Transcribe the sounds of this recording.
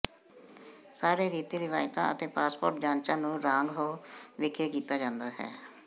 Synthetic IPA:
saːɾeːɾiːt̪iːɾɪʋaːjt̪ã̰ːət̪eːpaːspo̰ːɾʈd͡ʒaːnt͡ʃãːnũːɾãːŋɡɦoːʋɪkʰeːkiːt̪aːd͡ʒãːnd̪aːɦɛ̰ː

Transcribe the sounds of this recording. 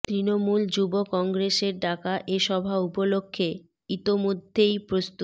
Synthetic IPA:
t̪ɾinomuld͡ʑubokɔŋɡɾeʃeɾɖakaʔeʃɔbʱaupolokʰːe | it̪omod̪ʱːejpɾost̪u

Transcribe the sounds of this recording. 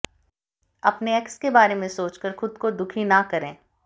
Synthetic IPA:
ɐpneɛkskebaːɾemẽsoːt͡ʃkəɾxʊd̪kod̪ʊkʰinɐkɐɾẽː

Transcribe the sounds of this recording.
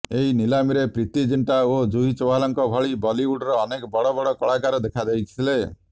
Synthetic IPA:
eɦinilamiɾepɾit̪id͡ʒiɳʈaod͡ʒuɦit͡ʃɔwalɔŋkɔbʱɔɭibɔliuɖɾɔːnekɔbɔɽɔbɔɽɔkɔɭakaɾɔd̪ekʰad̪ejkʰit̪ʰile

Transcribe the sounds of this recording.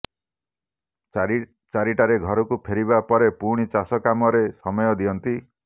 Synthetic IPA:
t͡ʃaɾiʈaɾeɡʱɔɾɔkupʰeɾiβapɔɾepuɽ̃it͡ʃasɔkamɔɾesɔmɔjɔd̪ijɔnt̪i

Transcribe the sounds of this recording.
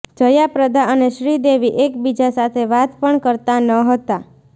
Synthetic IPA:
d͡ʒəjapɾəd̪ʱaʔəneʃɾid̪eʋiʔekbid͡ʒasat̪ʰeʋat̪pəɳkəɾt̪anəɦət̪a

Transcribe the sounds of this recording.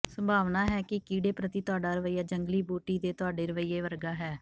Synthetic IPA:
səmbʱaːʋnaːɦɛːkɪkiːɖeːpɾət̪iːt̪ʊaːɖaːɾəʋəiːaːd͡ʒəŋɡliːboːʈiːd̪eːt̪ʊaːɖeːɾəʋəiːeːʋəɾɡaːɦɛː

